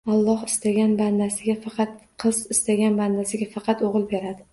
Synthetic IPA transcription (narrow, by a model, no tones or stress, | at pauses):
ɑlˠːɒhɪst̪aɡʲanband̪asɪɡʲafɑqʰɑt̪qʰɨzɪst̪aɡʲanband̪asɪɡʲafɑqʰɑt̪oʁɨlˠbe̞ɾad̪ɪ